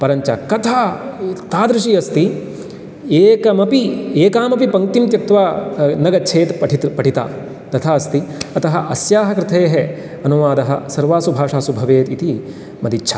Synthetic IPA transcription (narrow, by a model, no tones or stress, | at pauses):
pɐɾɐɲt͡ʃa̰kɐt̪ʰaːt̪aːd̪ɾɪʃiːɐst̪i | eːkɐmɐpieːkaːmɐpipɐŋkt̪imt̪jɐk̚t̪ʋaːnɐɡɐt͡ʃʰeːt̪pɐʈʰit̪pɐʈʰit̪a̰ː | t̪ɐt̪ʰaːɐst̪iɐt̪ɐɦɐʔɐsjaːɦɐkɾɪt̪ʰeːɦe | ɐnuʋaːd̪ɐɦɐ̰sɐɾʋaːsubʱaːʂaːsubʱɐʋeːt̪it̪i | mɐd̪it͡ʃːt͡ʃʰɐ̰